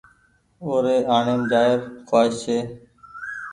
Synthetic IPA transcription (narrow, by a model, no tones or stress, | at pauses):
oːɾeːaːɳeːmd͡ʒaːɪɾkʰwaːʃseː